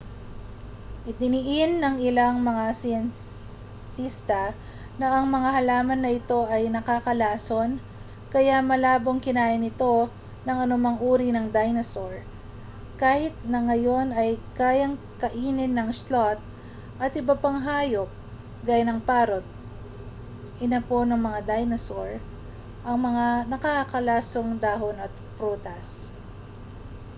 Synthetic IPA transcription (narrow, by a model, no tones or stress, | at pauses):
ʔɪd̪ɪnɪʔɪnːɐŋɪlaŋmɐŋasɪjɐn | t̪ist̪ɐ | nɐɐŋmɐŋahɐlaːmɐnːɐʔɪt̪o̞ʔɐjnɐkakɐlaːso̞n | kɐjamɐlaːbo̞ŋkɪnaːʔɪnɪt̪o̞ | nɐŋɐnʊmaŋuːɾinɐŋd̪ajnɐsoɹ | kaːhɪt̪̚nɐŋɐjo̞nɐjkaːjɐŋ | kɐʔiːnɪnːɐŋslot̪̚ | ʔɐt̪ʔɪbɐpɐŋɦaːjop̚ | ɡaːjanɐŋpaːɾot̪̚ | ʔɪnapo̞nɐŋmɐŋad̪ajnɐsoɹ | ʔɐŋmɐŋanɐkɐkɐlaːso̞ŋd̪aːɦonɐt̪̚ | pɾuːt̪ɐs